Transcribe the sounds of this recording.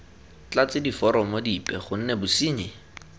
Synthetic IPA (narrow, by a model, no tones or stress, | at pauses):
t͡ɬat͡sɪdifɔɾɔmɔdipʼɛχʊn̩nɛbʊsiːɲɪ